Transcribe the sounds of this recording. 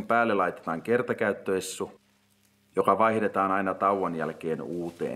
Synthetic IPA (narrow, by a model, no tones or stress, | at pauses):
mpæːlːelɑjt̪et̪ɑːŋkert̪ɑkæyt̪ːøesːu | jokɑʋɑihde̞t̪ɑːnɑinɑt̪ɑuwɑnjæ̰lkeːnuːt̪ḛː